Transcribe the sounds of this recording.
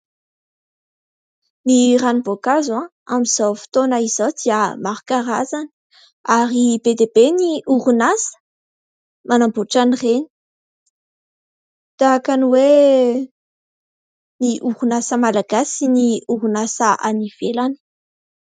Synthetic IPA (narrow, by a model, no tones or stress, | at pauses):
niranibokazãamiz̥awfi̥t̪onaizawd̪iəmaɾukaɾazani̥ | aɾibed̪ebeniʔuɾunasə̥ | manamboʈ͡ʂanireni̥ | d̪̥aakaniwe | niʔuɾunasəmalaɡasiniuɾunasəʔaniv̥elani̥